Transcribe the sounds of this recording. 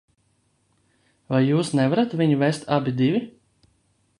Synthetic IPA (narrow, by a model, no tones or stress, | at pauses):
vajːuːsnɛvaɾat̪vʲiɲuvɛst̪ʰabʲid̪ivʲi